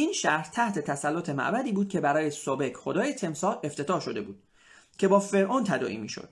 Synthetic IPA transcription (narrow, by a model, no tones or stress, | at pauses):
iːnʃæɾht̪ʰæht̪ʰe̞t̪ʰæsælːot̪ʰe̞mæ̰ʔbæd̪iːbuːd̪̚cʰe̞bæɾɒːjesobe̞kχod̪ɒːjet̪ʰe̞msɒːle̞ft̪ʰe̞t̪ʰɒːʃo̞d̪e̞buːd̪̥ | cʲʰe̞bɒːfe̞ɾʔont̪ʰæd̪ɒ̰ːʔḭːmiːʃo̰d̪̥̚